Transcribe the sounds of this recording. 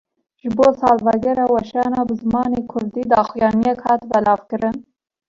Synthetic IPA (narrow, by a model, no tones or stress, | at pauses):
ʒbosɑːlvaɡeɾawaʃɑnɑbəzmɑːnekʰʊɾd̪id̪ɑxjɑːnjakʰɑt̪balɑfkəɾən